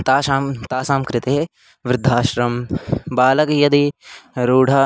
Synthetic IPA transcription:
t̪aːʃaːmt̪aːsaːmkɾɪt̪e | ʋɾɪd̪ʱːaːʃɾɐmbaːlɐkjɐd̪iɾuːɽ̤ʱaː

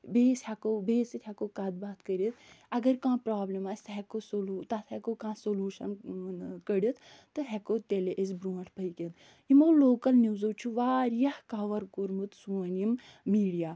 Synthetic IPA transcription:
beːsʲhakobeːsɨt̪ʰʲhakoːkad̪̚baːt̪ʰkəɾit̪ʰɐɡɐɾkãːpɾaːblimaːsʲt̪ɦɛkosoluːt̪ɐt̪ʰhɛkokãːsoluːʃɐnkəɽʲit̪ʰ | t̪ːɨɦɛkoːt̪eleʔizʲbɾuːɐɳʈʰpɐjkʲent̪ | imoːloːkɐlniwzowt͡ʃʰuʋaːɾjɐhkaʋɐɾkuɾmɨt̪sunimː | iːɽijaː

